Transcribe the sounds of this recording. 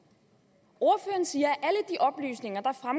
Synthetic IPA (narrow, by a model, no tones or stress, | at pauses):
o̝ɐføːɐn̩siːɐæʔæləd̥iʔɒ̽b̥ly̰ːsne̝ŋɐd̥ɑ̈fʁam